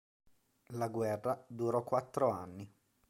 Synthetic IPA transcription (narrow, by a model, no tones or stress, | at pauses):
laɡwɛrːad̪uɾɔkːwat̪ːɾoanːi